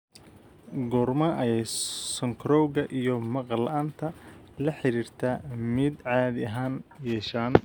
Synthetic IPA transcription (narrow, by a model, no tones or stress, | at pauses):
ɡɔrmɐʔɐjɛjsɔŋkʰɾɔːwɣɐʔijɞmɐqlʔaːnt̪ʰɐ | lɐħɪɾiːrt̪ʰaːmɪd̪ʕɑːðɪɐɦaːnjɛːʃaːn